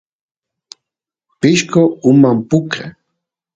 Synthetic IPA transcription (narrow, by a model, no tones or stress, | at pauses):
pɪʃkoʊmampʊke